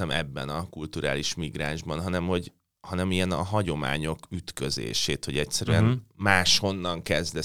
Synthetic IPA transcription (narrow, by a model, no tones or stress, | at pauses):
ɛmɛbːɛ̰nɒkult̪uɾa̰ːliʃmiɡɾaːʒbɒnɦɒnɛmho̞ɟ | hɒnɛmijɛnɒ̰ɦɒɟo̞ma̰ːɲo̞kyt̪køzḛːʃeːt̪ho̞ɟɛc̪sɛɾyɛnmaːʃho̞nːɒŋkɛzd̪ɛ